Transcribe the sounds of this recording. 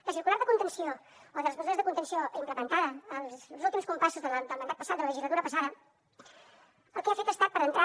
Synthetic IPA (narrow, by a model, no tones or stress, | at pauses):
d̪əsiɾkulaɾðəkunt̪ənsiooðəlˠəzməzuɾəzðəkunt̪ənsioimpləmənt̪aðəːlˠzulˠt̪imskumpasuzðələd̪əlˠmənd̪at̪̚pəsat̪̚d̪ələləʒizlət̪uɾəpəsaðə | əlˠkɛafet̪əst̪at̪pəɾənt̪ɾa